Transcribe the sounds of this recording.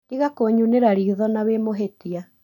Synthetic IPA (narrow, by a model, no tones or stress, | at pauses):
niɣakoɲuneɾaɾiːðɔnaβemoɦetia